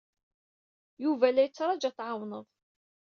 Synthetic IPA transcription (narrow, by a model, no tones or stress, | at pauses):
juvælːæjət͡sːɾˤɑd͡ʒæθʕawnəðˤ